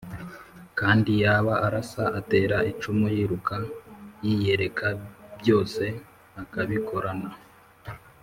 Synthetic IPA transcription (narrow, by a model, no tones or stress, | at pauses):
kaːndijaːβaaɾasaʔate̞ːɾaʔit͡ʃumujiɾukajije̞ɾe̞kʰabjo̞ːse̞ | akaβikʰo̞ɾana